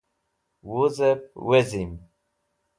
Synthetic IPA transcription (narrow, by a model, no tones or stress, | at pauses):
wuzepwezim